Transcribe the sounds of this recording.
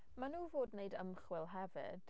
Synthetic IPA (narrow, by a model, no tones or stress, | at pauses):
manuːvoːdnejdəmχwɪlˠɦɛvɪ̰d̥